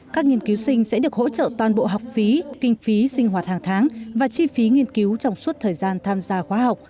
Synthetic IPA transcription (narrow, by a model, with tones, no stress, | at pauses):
kaː˦˥k̚ŋi˧ənki˨˦wsï˧ŋ̟sɛ̰˧˥ɗɨ˨˩ək̚ho̰˧˥t͡ɕə̰ː˧˨t̪waː˨˩nɓo̰˧˨ɦa˨˩wk͡p̚fi˨˦kï˧ŋ̟fi˨˦sï˧ŋ̟ɦwaː˨˩t̚haː˨˩ŋt̪ʰaː˨˦ŋvaː˨˩t͡ɕi˧fi˨˦ŋi˧ənki˨˦wt͡ɕɔ˧wŋ͡mswu˦˥t̚t̪ʰəː˨˩jzaː˧nt̪ʰaː˧mzaː˧xwaː˨˦ɦa˨˩wk͡p̚